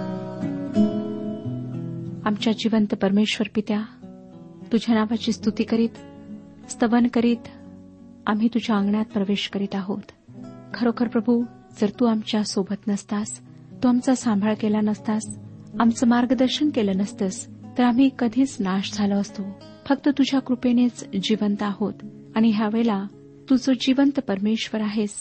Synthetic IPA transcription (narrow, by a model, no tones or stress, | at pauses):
amt͡ɕjad͡ʑiʋənt̪pəɾmeɕʋəɾpit̪ja | t̪ud͡ʑʱjanaʋat͡ɕiːst̪ut̪iːkəɾiːt̪ | st̪əʋənkəɾiːt̪ | am̤iːt̪ud͡ʑʱjaəŋɡɳat̪̚pɾəʋeɕkəɾiːt̪aɦot̪ | kʰəɾokʰəɾpɾəbʱu | d͡zəɾt̪uːamt͡ɕjasobʱət̪nəst̪as | t̪uamt͡sasãmbʱaɭkelanəst̪asamt͡səmaɾɡəd̪əɾɕənkelənəst̪əst̪əɾam̤iːkəd̪ʱiːt͡snaɕd͡zʱaləːst̪o | fək̚t̪ət̪ud͡ʑʱjakɾupenet͡sd͡ʑiʋənt̪aɦot̪ | aɽ̃iɦjaʋeɭla | t̪ud͡zod͡ʑiʋənt̪pəɾmeɕʋəɾaɦes